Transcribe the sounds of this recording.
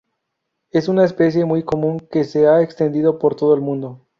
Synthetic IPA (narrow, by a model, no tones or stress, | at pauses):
e̞sunaespe̞s̬je̞mujko̞mũŋke̞seaekst̪e̞nd̪iðo̞po̞ɾt̪o̞ð̞oelmũnd̪o̞